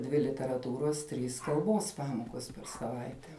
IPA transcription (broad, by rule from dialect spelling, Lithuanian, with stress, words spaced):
ˈdʲʋʲɪ lʲɪtʲɛrɐˈtuːroːs ˈtʲrʲiːs kɐlˠˈboːs ˈpɑːmoːkoːs pʲɛr sɐˈʋɐɪtʲɛ